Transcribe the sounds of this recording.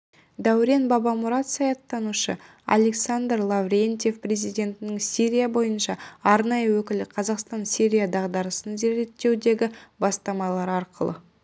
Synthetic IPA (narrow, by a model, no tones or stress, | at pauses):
d̪æwɾe̞nbɑbɑmuɾɑt̪sɑjɑt̪ːɑnuʃə̰ | a̰le̞ksand̪rlˠavɾʲent̪je̞fpre̞zijd̪ʲe̞nt̪ɪnɪŋsiɾʲijabo̞jənʃɑɑɾnɑjəwɵkʲɪlɪqʰɑzɑqst̪ɑnsiɾʲijad̪ɑʁd̪ɑɾəsənze̞ɾe̞t̪ːe̞wd̪e̞ɡʲɪbɑst̪ɑmɑlˠɑɾɑɾqʰəlˠə̰